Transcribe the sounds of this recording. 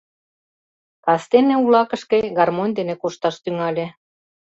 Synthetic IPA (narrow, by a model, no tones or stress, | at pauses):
k̪ɑst̪enĕulɑkə̆ʃkeɡɑrmonʲd̪enekoʃt̪ɑʃt̪yŋɑlʲe